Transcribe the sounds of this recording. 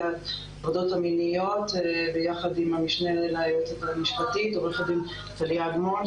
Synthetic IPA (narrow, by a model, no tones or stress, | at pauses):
ad | avodo̞thaminijo̞tbejaχadimamiʃnelelaːjotamiʃpatitobjaχadim | taliaɡmon